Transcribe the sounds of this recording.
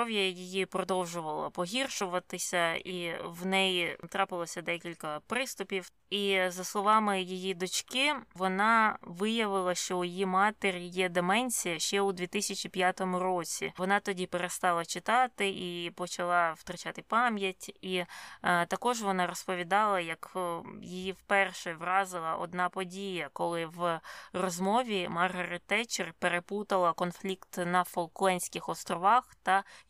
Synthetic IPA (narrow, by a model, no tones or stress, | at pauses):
ɔʋjɐjɪjipɾɔd̪ɔwʒʊʋɐlˠɐ̰pɔɦʲirʃʊʋɐt̪ɪsʲɐiwnɛjt̪ɾɑpɪlˠɔsʲɐd̪ɛkʲilʲkɐpɾɪst̪ʊpʲiw | izɐslˠɔʋɑmɪjɪjid̪ɔt͡ʃkɪʋɔnɑʋɪjɐʋɪlˠɐʃt͡ʃɔʊjimɑt̪eɾʲjɛd̪emɛnʲsʲijɐʃt͡ʃɛʊd̪ʋʲit̪ɪsʲɐt͡ʃʲipʲjat̪ɔmʊɾɔt͡sʲḭʋɔnɑt̪ɔdʲipeɾest̪ɑlˠɐt͡ʃɪt̪ɑt̪ɪʔipɔt͡ʃɐlˠɑwt̪ɾɐt͡ʃɑt̪ɪpɑmjɐtʲit̪ɐkɔʒʋɔnɑɾɔspɔʋʲid̪ɑlˠɐjɐkjɪjiwpɛrʃɛʋrɑzɪlˠɐʔɔ̰d̪nɑpɔdʲijɐkɔlˠɪʋrɔzmɔʋʲimɐrɦɐɾɪt̪ːɛt͡ʃɪrpeɾeput̪ɐlˠɐkɔnflʲikt̪nɐfɔlˠklˠɛnʲsʲkʲɪxɔst̪ɾɔʋɑxt̪ɐ